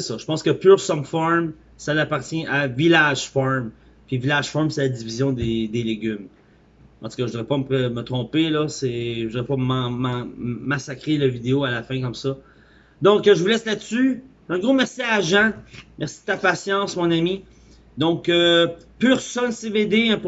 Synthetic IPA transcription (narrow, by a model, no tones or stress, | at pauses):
sesɔʒə̥pɑ̃skəpyːʁsɔnfɔɹm | salapaʁt̪jɛ̃ʔavilaʒ̥fɔɹm | pivilaʒ̥fɔɹmseladd͡zivizjɔ̃d̪ed̪eleɡʲym | ɑ̰̃t̪u̥kɔʒəd̪əʁɛpɔməpemət̪χɔ̃pelɔsɛʒəd̪əʁɛpɔmɑ̃mɑ̃mːasakʁeləvid̪eoalafɛ̃kɔmsʌ | d̪ɔ̃kəʒəvulɛslat̪sy | œ̃ɡʁomɛʁsiaʒãmɛʁsid̪̥ət̪apasjɑ̃smɔ̃nami | d̪ɔ̃kəpyːʁsɔnseved̪eɛ̃p